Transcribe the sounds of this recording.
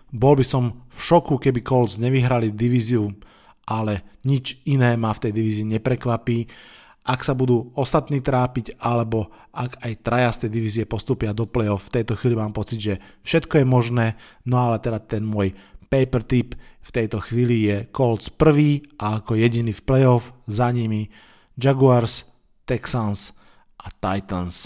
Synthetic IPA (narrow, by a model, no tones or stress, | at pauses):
bɔlbisɔmfʃɔkukɛbikɔld͡zɲɛʋiɦɾalid̪iʋiːziu | ʔalɛɲit͡ʃinɛːmaft̪ɛjd̪iʋiːziːɲɛpɾɛkʋapiː | ʔaksabud̪uːɔst̪at̪niːt̪ɾaːpicalɛbɔ | ʔakajt̪ɾajast̪ɛjd̪iʋiːziɛpɔst̪uːpɪad̪ɔplɛɔfft̪ɛjt̪ɔxʋiːlimaːmpɔt͡siɟʒɛfʃɛt̪kɔjɛmɔʒnɛː | nɔalɛt̪ɛd̪at̪ɛnmʊɔjpɛjpɛɾt̪ipft̪ɛjt̪ɔxʋiːlijɛkɔlt͡spr̩ʋiːʔaːkɔjɛɟiniːfplɛjɔfzaɲimi | d͡ʒaɡuaɾs | t̪ɛksans | ʔat̪ajt̪ɔns